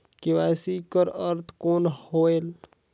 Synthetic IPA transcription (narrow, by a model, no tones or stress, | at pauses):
kiwasikəɾəɾt̪ʰkoːnhoel